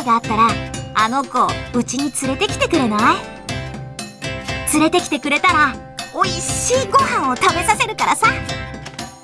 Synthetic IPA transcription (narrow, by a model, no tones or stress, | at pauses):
ɡaːt̪ːaɾaano̞ko̞ɯ̟t͡ɕiɲ̟it͡sɨɾe̞t̪e̞kʲi̥t̪e̞kɯ̟ɾe̞nai | t͡sɨɾe̞t̪e̞kʲi̥t̪ekɯ̟ɾe̞t̪aɾa | o̞iɕiːɡo̞hãɰ̃o̞t̪ame̞sase̞ɾɯ̟kaɾasa